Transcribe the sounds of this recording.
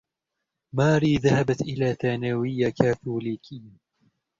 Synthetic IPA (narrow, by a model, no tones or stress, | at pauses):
maːɾiːðahabat̪ʔɪlaːθaːnawɪjːakaːθuːliːkʰiː